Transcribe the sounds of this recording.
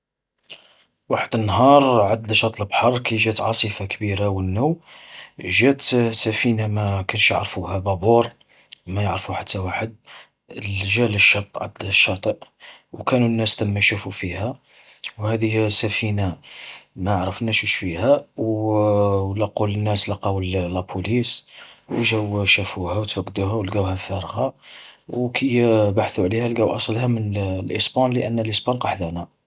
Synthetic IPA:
waħəd̪ənːɦɑɾˤʕad̪læʃɑt̪ˤləbħɑɾˤkæʒæt̪ʕɑsˤəfakəbiɾawənːuw | ʒæt̪sæfinamækænʃjə̰ʕɾfuhæbɑbuɾˤ | mæjəʕɾfuħat̪ʰːæwaħəd̪̚ | lʒæləʃːɑt̪ˤːʕa̰d̪læʃːɑt̪ˤəʔwkænunːæsləmːæjʃufufihæ | whæd̪əjːsæfina | mæʕɾˤəfnæʃuʃfihæw | lɑqːulənːæslɑqɑwəlːæpʰuliswʒæwʃæfuhæwət̪fæɡːd̪uhæwlɡæwhæfæɾˤɣɑwkʰəjːbaħθuʕlihælɡæwʔɑsˤlhæmənlʔəsbɑnləʔənːəlʔəsbɑnqɑħd̪ænæ

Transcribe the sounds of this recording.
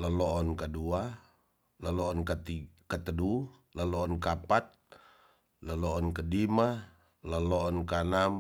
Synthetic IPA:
ləlɔɔnkadua | lalɔɔnkat̪ikat̪ədu | ləlɔːnkapat̪̚ | ləlɔʔɔnkədima | ləlɔɔnkanam

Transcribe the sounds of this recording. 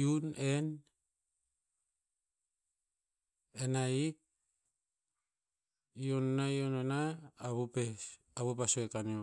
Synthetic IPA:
unen | enaik̚ | jonnaijonenaːβupe | aβupasoekanio

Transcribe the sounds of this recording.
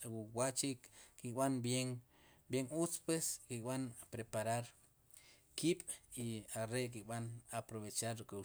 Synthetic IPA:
wuwaʔt͡ʃikikʼɓanbjeŋ | bjeŋut͡spweskikʼɓanpɾepaɾaɾ | kiɓ̥iaɾek̬ikʼɓanapɾoβet͡ʃaɾɾikʼu

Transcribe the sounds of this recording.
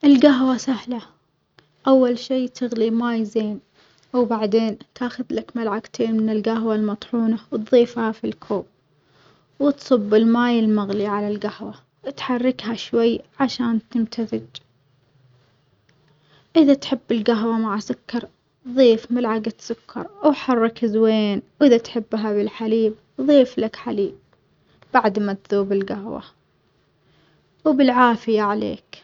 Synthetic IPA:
ʔɪlɡaɦwasahla | ʔawːalʃiːt̪ʰɪɣlimaːjzeːn | ʔawbaʕd̪eːnt̪ʰaːxʊðlakmalʕaɡt̪ʰeːnmɪnɪlɡaɦwalmɑt̪ˤħuːnawt̪ðˤiːfhafilkʰoːb̚ | wɪt̪sˤɨbːɪlmaːjɪlmaɣliʕalalɡahwa | t̪ħɑrˤːɪkhaʃwajːʕaʃaːnt̪ɪmt̪ʰaðɪd͡ʒ | ʔɪðat̪ħɪbːɪlɡaɦwamaʕasʊkːɑɾˤ | ðˤiːfmɪlʕaɡt̪sʊkʰːɑ̰ɾˤawħɑrˤːɑkzweːnwʔɪðat̪ħɪbːɦabɪlħaliːb̚ | ðˤiːflakħaliːb̚ | b̥aʕd̪mat̪ðuːbɪlɡahwa̰ | wbɪlʕaːfɪjaʕalḛːk

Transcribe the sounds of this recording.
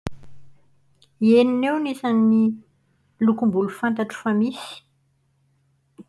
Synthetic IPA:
eninewnisanːi | lukumbulufant̪aʈ͡ʂu̥famisi̥

